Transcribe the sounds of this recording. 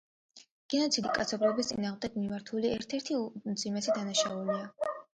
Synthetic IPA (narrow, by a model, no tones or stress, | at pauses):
ɡ̥ɛnɔt̪sʰid̪ikʼa̰t̪sʰɔblɔbist̪sʼinaːʁmd̪ɛɡmimaɾt̪ʰuliɛɾt̪ʰɛɾt̪ʰit̪sʼimɛsɛd̪anaʃaulia